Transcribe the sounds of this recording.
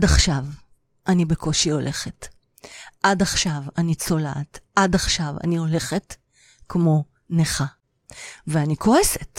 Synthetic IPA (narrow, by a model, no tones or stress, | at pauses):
adaχʃav | ʔanibekʰo̞ʃio̞lʔe̞χet | ʔadaχʃavanit͡so̞la̰tʔadaχʃava̰nio̞le̞χet | kmo̞ | neχa | veanikʰo̞eset